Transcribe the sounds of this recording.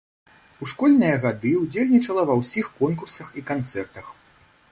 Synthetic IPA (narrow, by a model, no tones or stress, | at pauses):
uʂkɔlʲnɨjɐɣad̪ɨuwd͡zʲelʲnʲit͡ʂɐlˠɐvɐwsʲixkɔnkursɐxikant̪sɛrt̪ɐx